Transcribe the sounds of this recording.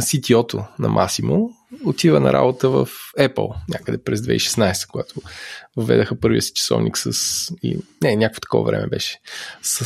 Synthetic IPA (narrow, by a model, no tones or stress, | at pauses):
sit̪iɔt̪onɐmʔasimo | ot̪ivənɐɾʔa̰bot̪əvəfɛpə̰lˠnʲʔakəd̪ɛpɾɛzd̪vɛiʃɛ̥snajst̪ə̥koɡat̪ʰʊvɐvɛd̪əxəpɤɾviəsi̥t͡ʃɐ̥sɔ̰vnʔiksəsḭnɛnʲakəkfo̥t̪ɐ̥kɔ̰vɐ̰vɾɛmʔɛbɛʃɛ̥sə